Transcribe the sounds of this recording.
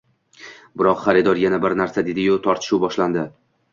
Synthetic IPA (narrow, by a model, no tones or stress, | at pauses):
bɪɾɒqχaɾɪd̪ɒɾjanabɪɾnaɾsad̪e̞d̪ɪjʊt̪ʰɒɾt̪ʰɪ̥ʃuwbɒʃland̪ɪ